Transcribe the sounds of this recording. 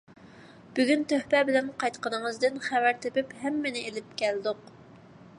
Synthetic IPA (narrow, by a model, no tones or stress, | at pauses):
b̥yɡʲynt̪ʰøhpɛbɪlɛnqɑjt̪qənɨŋəzd̪ɨnχæwæɾt̪ʰepɪphɛmːɪnɪelɪp̚kʲʰɛld̪ʊq